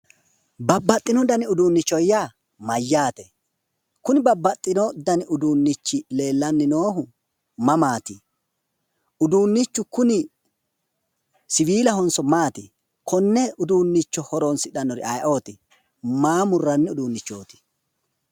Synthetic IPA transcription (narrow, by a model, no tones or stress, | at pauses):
bɐbːɐt̪ʼːɪnɔd̪ɐnɪʊd̪uːnːɪt͡ʃːɔjːaː | mɐjːaːt̪ɛ | kʊnɪbɐbːɐt̪ʼːɪnɔd̪ɐnɪʔʊd̪uːnːɪt͡ʃːɪle̞ːlːɐnːɪnoːɦʊ | mɐmaːt̪ɪ | ʊd̪uːnːɪt͡ʃːʊkʊnɪ | sɪwiːlɐhɔnsɔmaːt̪ɪ | kʰɔnːɛʊd̪uːnːɪt͡ʃːɔhɔɾonsɪᶑɐnːɔɾɪ̰ɐjʔo̞ːt̪ɪ | maːmʊrːɐnːɪʊd̪uːnːɪt͡ʃːo̞ːt̪ɪ̥